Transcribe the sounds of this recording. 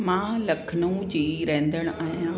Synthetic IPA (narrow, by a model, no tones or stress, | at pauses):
mãlɐkʰənũd͡ʑiːɾẽɦːnd̪əɽ̃aːɦijã